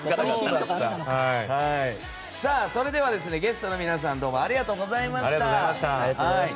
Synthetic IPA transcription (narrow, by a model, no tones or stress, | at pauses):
ikʲiːokokaahai | saːso̞ɾe̞d̪e̞β̞ad̪e̞s̬ɨne̞ɡe̞sɨ̥t̪o̞no̞mʲinas̬ãnd̪o̞ːmo̞aɾʲiɡat̪o̞ːɡo̞zaimaɕaɾiat̪oaamaɕt̪ahai